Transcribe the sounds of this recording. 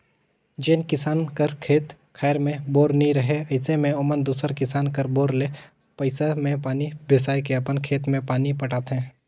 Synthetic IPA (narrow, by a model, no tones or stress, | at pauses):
d͡ʒeːnkɪsaːnkəɾkʰeːt̪ | kʰɛːɾmẽboːɾnĩɾɐɦeɐɪsemẽʊmənd̪uːsəɾkɪsaːnkəɾboːɾleː | pəɪsamẽpaːnibesaːjkeɐpənkʰeːt̪mẽpaːnipɐʈaːt̪ɦɛ̃ː